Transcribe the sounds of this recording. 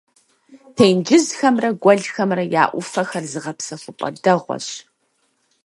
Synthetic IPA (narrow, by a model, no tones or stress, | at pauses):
tʰejnd͡ʒɪzxɐmrɐɡʷɔɮxɐmrɐjaːʔʷʊfɐxɐrzɨʁɐpsɐxʷʊpʷʼɐ̰dɐʁʷɔ̰ɕ